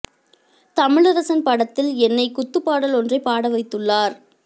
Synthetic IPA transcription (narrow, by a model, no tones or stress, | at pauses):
t̪ɐmɪɭɐɾɐsɐnpɐɽɐt̪ːɪlɛnːɐɪkʊt̪ːɯpːaːɽɐlɔndrɐɪpːaːɽɐʋɐɪt̪ːɯɭːaːɾ